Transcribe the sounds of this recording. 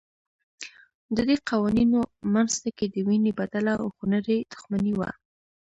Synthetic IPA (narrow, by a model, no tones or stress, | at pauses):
d̪əd̪eqɑwaninomanst̪aked̪əwinebad̪alaa̰xʊnaɾed̪ʊ̥xmaniwa̰